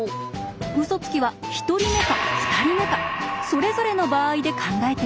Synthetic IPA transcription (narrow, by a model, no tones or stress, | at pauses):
mɯ̟so̞t͡sɨ̥kʲiβaçi̥t̪o̞ɾʲinokafi̥t̪aɾʲinokaso̞ɾe̞zo̞ɾe̞no̞baːid̪e̞kʰãŋɡae̞t̪e